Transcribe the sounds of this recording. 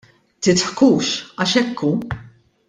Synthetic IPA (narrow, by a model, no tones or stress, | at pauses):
t̪ɪt̪ħkuːʃɐʃɛkːu